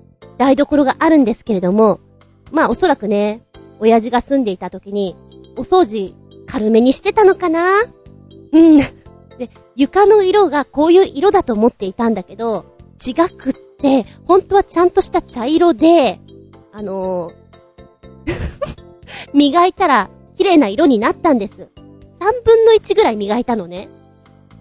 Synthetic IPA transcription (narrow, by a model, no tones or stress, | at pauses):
d̪̥aid̪o̞ko̞ɾo̞ɡaʔaɾɯ̟̃nd̪e̞sɨ̥ke̞ɾe̞d̪o̞mo̞ | maːo̞so̞ɾakɯ̟ne̞ | o̞jaʑiɡasɨ̃nd̪e̞it̪at̪o̞kʲiɲ̟i | o̞so̞ːʑi | kʰaɾɯ̟me̞ɲ̟iɕi̥t̪e̞t̪ano̞kana | ɯ̟̃ɴ | d̪̥e̞ | jɯ̟kano̞iɾo̞ɡako̞ːjɯ̟ːʔiɾo̞d̪at̪o̞ːmo̞t̪ːe̞it̪ãnd̪ake̞d̪o̞t͡ɕiɡakɯ̟t̪ːe̞hõ̞nt̪o̞β̞at͡ɕãnt̪o̞ɕi̥t̪at͡ɕaiɾo̞d̪e̞ | ano̞ | mʲiɡait̪aɾa | kʲiɾe̞ːnaiɾo̞ɲ̟inat̪ːãnd̪e̞sɨ | sãmbɯ̟̃nːo̞it͡ɕiɡɯ̟ɾaimʲiɡait̪ano̞ne̞